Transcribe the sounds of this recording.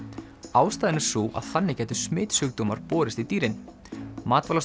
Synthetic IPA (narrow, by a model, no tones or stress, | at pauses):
aːwst̪aːðɪnɪ̥suːwʔa̰ðθanːɪcɛːjt̪ʏsmɪːt̪sʏk̚t̪oːmaɾ̥pɔːɾɪst̪it̪iːɾɪn | maːt̪valas